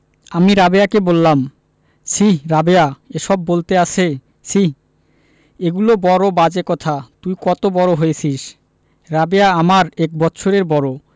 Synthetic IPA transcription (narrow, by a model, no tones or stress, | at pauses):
amiɾabeakebolːam | sʰiɦɾabeaeʃɔbːolt̪eat͡ɕʰe | sʰiɦ | eɡulobɔɾobad͡ʑekɔt̪ʰat̪ujkɔt̪obɔɾoɦojet͡ɕʰiʃ | ɾabeaamaɾɛk̚bɔtːɕʰoɾeɾbɔɾo